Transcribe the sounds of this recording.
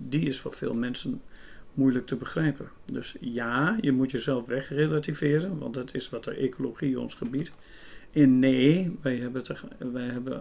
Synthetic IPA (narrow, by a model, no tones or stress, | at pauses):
diɪsfɔ̰fḛːlˠmɛnsənmujlək̚tʰəbəxrɛjpə | døsjaːjəmutjəzɛlˠfʋɛxrelatifɪəɾənʋɔ̰ntdɔtʰɪsʋɔtə̰ʔekʰoloxiɔ̰nsχəbit | ɛnːeːʋɛjɦɛbəʋɛjɦɛbə